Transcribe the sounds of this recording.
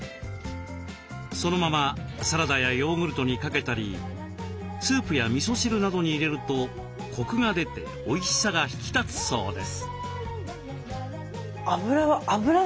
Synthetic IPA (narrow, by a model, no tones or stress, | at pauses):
so̞no̞mamasaɾad̪ajajo̞ːŋɯ̟ɾɯ̟t̪o̞ɲ̟ikake̞t̪aɾʲḭ | t͡sɨːpɯ̟jamʲiso̞ɕiɾɯ̟nad̪o̞ɲ̟iːɾe̞ɾɯ̟t̪o̞ | kʰo̞kɯ̟ŋad̪e̞t̪e̞̰ | o̞iɕi̥saɡaçi̥kʲi̥t̪at͡sɨ̥so̞̰ːd̪e̞sɨ̥ | abɯ̟ɾaabɯ̟ɾa